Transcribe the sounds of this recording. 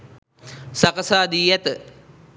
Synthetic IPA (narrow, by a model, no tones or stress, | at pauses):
sɐkɐsaːd̪iːjɛt̪ə